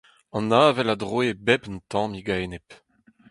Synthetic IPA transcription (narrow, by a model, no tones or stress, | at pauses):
ɑ̃naːvɛlad̪ʁwebɛpnt̪ɑ̃miɡanɛp